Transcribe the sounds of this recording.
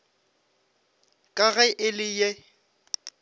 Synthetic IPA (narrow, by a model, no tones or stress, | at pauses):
kʼaɣɛʔɪlɪje